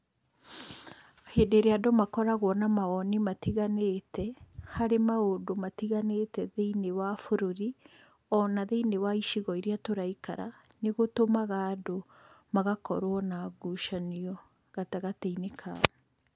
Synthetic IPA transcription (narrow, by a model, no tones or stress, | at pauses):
heːndeɾeadomakɔɾaɣwɔnamaɔnimatiɣaneːtɛhaɾemaodomatiɣanetɛðeinewafoɾoɾi | ɔnaðeinewaiʃiɣɔiɾeatoɾaika̰ɾa̰ | neɣotomaɣaːdo | maɣakɔ̰ɾwɔnaɡuʃaniɔ | ɣataɣateinekʰa̰